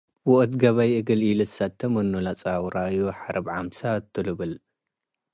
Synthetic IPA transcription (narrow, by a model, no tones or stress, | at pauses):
wɔʔʼt̪ɡɐβajɨɡɨlilɨsat̪ʰːɐmɐnːulat͡sʼawɾʔajuħaɾʔɐbʕamsat̪ʰːɨlɨβɨl